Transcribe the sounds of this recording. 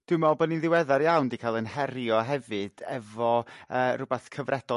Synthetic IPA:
d̥ɪmɔbɔninðɪwɛðaɾjawndikʰaːlˠənhɛɾjɔɦɛvɨd̥ɛvɔərʊbɛθkʰəvrʔɛd̥ɔ

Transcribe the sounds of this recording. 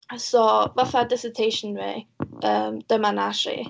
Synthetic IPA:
sɔvaθadɪsətʰejʃənvḛəːmd̥əmanaʃḭ

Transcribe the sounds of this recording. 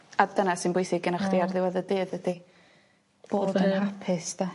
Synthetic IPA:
ad̥ənasɨnbɪjθɪɡənaχdiarðɪwaðədɨːðədi | b̥oːdənapʰɪsda

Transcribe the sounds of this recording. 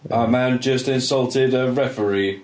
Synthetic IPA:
əmãnd͡ʒʌstɪ̃nsʌlˠtʰɪdəɹɛfəɹi

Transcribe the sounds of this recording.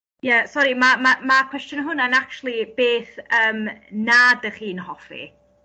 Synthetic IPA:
jasɔɾimamamakʰw̥ɛstjɔnɦʊnanak̚t͡ʃʰlˠib̥eːθəːmnadəχiːnhɔfḭ

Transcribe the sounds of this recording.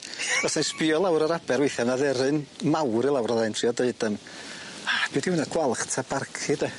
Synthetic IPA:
ɔsanspiɔlˠawɾaɾabɛɾwejθɛvnaðɛɾɨnmawɾilˠawraðantʰriɔdeɨd̥əm | ab̥ɨːdiwɪnaɡ̥walˠχtʰab̥arkʰɨdɛ

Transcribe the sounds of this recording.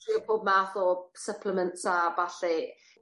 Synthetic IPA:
iːəpʰoːb̚maːθɔsəpʰlˠəməntsabaɬi

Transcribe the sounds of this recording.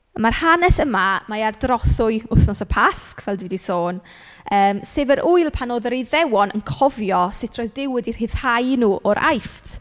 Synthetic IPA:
marhanɛsəmamajardrɔθʊɨʊθnɔsəpʰaskʰvɛlˠdɪwdisoːn | əːmseːvəɾʔʊɨlˠpʰanoːðɾiðɛwɔnə̰nkʰɔvjɔsɪtʰroːjðdɪwɪdir̥hɪð̥hajnuːʔɔɾʔa̰jftʰ

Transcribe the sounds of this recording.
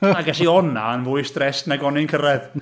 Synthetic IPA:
aɡɛsiɔna̰nvʊɨsd̥rɛstnaɡɔnɪnkʰəɾɛð

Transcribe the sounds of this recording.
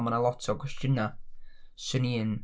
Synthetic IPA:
mənəlˠɔtʰɔkʰwɛstjəna | sɨnin

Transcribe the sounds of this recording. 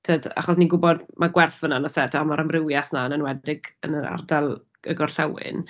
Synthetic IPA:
tʰəːda̰χɔsniɡʊbɔdmʔaɡwɛrθvənanɔsɛtʰaamaɾəmrɪwjaθnanənwɛddɪɡə̰nəɾa̰rdalˠ | əɡɔrɬɛwɪ̰n

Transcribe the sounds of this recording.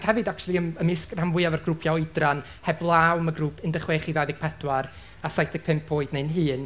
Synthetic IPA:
khɛvɨdak̚t͡ʃʰulˠiəməmɪskramvʊɨavarɡrupʰjaɔɨdran | hɛblˠaːwməɡruːpʰɪndəχweːχivaðɪɡ̚pʰɛdwar | asajtʰɪɡ̥̚pʰɪmpʰːoːɨdnenɦɨːn

